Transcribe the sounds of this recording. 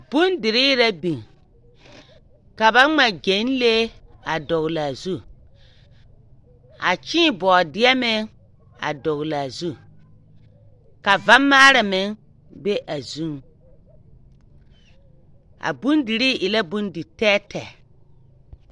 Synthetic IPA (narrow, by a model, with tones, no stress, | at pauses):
b̥ʊ˦ndɪ˨ɾɪ˦ɾa˦bi˨ŋ | ka˨ba˦ŋ͡ma˨ɡe˨˦n˦le˦a˨dɔ˨ɣla˨zu˦ | a˨t͡ʃĩː˦bɔː˨dɪ˦ɛ˦mɪ˦ŋ | a̰˨dɔ˨ɣla˨zu˦ | ka˨va˦mːaː˦ɾa˨mɪ˨˦ŋ | be˦ʔa˨zu˦ŋ | a̰˨bu˦ndɪ˨ɾiː˦ʔɪ˨la˦bu˦ndɪ˨tɛː˦tɛ˨